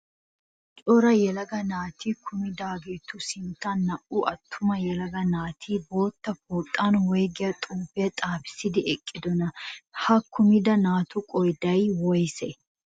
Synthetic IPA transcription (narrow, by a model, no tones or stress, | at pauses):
t͡ʃʼɔɾɐjɛlɐɡɐnaːt̪ʰiːkʰʊmɪd̪aːɡeːt̪ːʊsɪnt̪ːɐnːɐʔʊʔɐt̪ʰːʊmɐjɛlɐɡɐnaːt̪ʰiːboːt̪ːɐfoːt̪ʼːanwɔjɡɪjɐt̪ʼuːfɛt̪ʼaːfɪ̥sɪd̪ɪɛkʼːɪd̪ɔnɐhɐkʰʊmɪd̪ɐnaːt̪ʊkʼɔjd̪ɐjwɔjsɛ